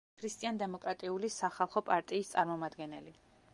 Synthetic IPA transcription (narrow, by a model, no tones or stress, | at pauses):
kʰɾist̪ʼiand̪ɛmɔkʼɾat̪ʼiulisaχalˠχɔpʼaɾt̪ʼiːst̪sʼaɾmɔmad̪ɡɛnɛli